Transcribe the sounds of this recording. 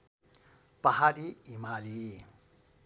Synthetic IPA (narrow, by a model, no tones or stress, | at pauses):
paɦaɾiimaliː